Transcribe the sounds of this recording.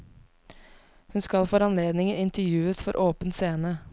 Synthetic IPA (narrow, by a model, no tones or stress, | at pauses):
hʉnskɑlfɔɾɑnleːd̪nɪŋəɪnt̪əɾjʉːəsfɔɾʔoːpən̩seːnə